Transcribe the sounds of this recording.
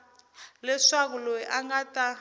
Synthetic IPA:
lɛʂak̬uloiʔaŋɡata

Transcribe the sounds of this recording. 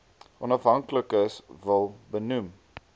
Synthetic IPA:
ʔɔnɐfɦɐŋkləkəsvəlˠbənum

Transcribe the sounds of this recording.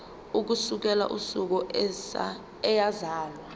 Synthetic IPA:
uk̬usuk̬ɛla̰ʔṵsuk̬ɔ | ɛjazaːlwa

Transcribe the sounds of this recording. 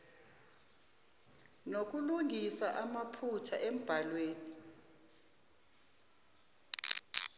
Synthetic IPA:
nok̬ʼuluŋisaʔamapʰut͡ʃʰaʔem̩b̥ʱalweːni

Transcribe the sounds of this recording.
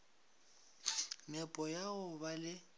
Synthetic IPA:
mɛpʼɔjaʊbalɪ

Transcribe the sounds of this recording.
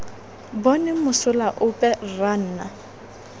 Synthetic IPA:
bɔnɪmʊsʊlaʔʊpʼɛran̩ːna

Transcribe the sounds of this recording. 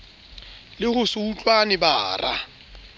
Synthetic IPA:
lɪhʊsuut͡ɬʼwanɪbaːra̰

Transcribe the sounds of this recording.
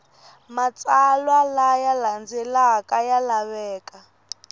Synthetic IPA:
mat͡sʼalwalajaland͡zɛlakajalaβɛːka

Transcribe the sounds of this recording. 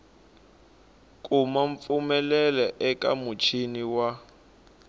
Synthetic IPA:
kʼumaɱp̪fumɛlɛlɛʔɛkʼa̰mut͡ʃʰiniwa

